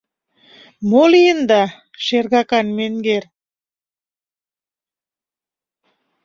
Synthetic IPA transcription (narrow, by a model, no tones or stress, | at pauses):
molijənd̪ɑ | ʃerɣɑkɑnmeŋɡer